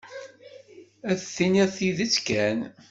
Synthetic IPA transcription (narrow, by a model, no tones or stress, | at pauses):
æθθiniʁθiðət͡sːkæn